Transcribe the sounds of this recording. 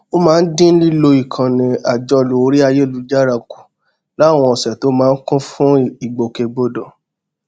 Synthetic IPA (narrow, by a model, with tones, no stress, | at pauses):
o˦mãː˦n̩˦dĩ˦n̩˦li˦lo˧i˨kʰã˨nĩ˨a˨d͡ʒɔ˧lo˨˧˦ɾi˦a˧je˦˨lu˨˦d͡ʒa˦ɾa˧ku̥˨ | la˨˦˨w̃ɔ̃˧ɔ˨sɛ˨to˨˦mãː˨˦˧n̩˦kũ˦fũ˦i˨ɡ͡bo˨ke˨ɡ͡bo˨dɔ̃˨